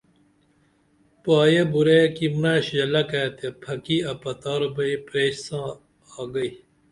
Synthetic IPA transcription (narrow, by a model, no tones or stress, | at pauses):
paːjebuɾekimnaːɕjɐlɐkaːt̪epʰɐkiɐpɐt̪aːɾobɐipɾeːɕsãː | ɡɐi